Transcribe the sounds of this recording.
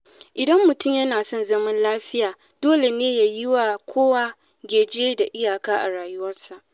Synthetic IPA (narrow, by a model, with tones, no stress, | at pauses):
ʔɪ˨dɐ˦mːʊ˨tʊ˦˨mjɐ˦naː˨sɔ˦˨nzɐ˦mɐ˦nlaː˦ɸɪ˦jaː˨ | d̥oː˦le˨neː˦ja˨jɪ˦wa˨kʷʰoː˦wa˦ | ɡʲeː˨d͡ʒeː˦da˨ʔɪ˦jaː˨kaː˦ʔa˨ɽaː˨jʊ˦wɐ˦rsa˨ʔ